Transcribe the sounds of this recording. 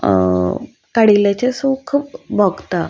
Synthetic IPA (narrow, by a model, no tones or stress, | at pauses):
kaɽilat͡ɕesukʰuːp̚bʱɔɡt̪a